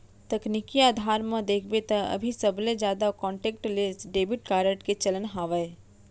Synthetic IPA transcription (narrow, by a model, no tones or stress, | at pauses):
t̪ɐknikiaːd̪ʱaːɾmɐ̃d̪eːkʰbet̪ɐɐ̰bʱisɐbled͡ʒjaːd̪akɔ̃ːɳʈeːkʈlesɖeːbɪʈ̚kaːɾəʈket͡ʃɐlənɦaːʋəe